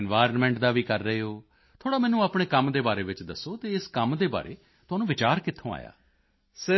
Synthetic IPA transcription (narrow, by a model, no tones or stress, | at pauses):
nʋaːɾnmɛ̃ːɳʈd̪aːʋiːkəɾːəɦeːɦoː | t̪ʰoːɽaːmɛːnũːaːpɳeːkəmd̪eːbaːɾeːʋɪt͡ʃd̪əsːoːt̪eːɪskəmd̪eːba̰ːɾḛː | t̪ʊaːnũːʋɪt͡ʃaːɾkɪt̪ʰːõːa̰ːja̰ː | sɪ